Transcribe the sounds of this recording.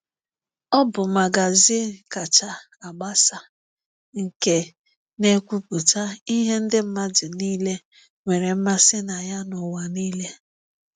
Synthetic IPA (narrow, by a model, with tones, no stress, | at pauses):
ɔ˦bʊ˨ma˨ɡa˨zi˦ka˨t͡ʃa˨ | a˨ɡ͡ba˦sa˦ | ŋ̩˨ke˦ | ne˦kʷu˦pu˨ta˦i˦ɦe˦n̩˦dɪ˦m̩˦ma˦dɪ˨niː˦le˦ | ŋʷe˨ɾe˨m̩˦ma˦sɪ˦na˨ja˦nʊ˨wa˨niː˦le˦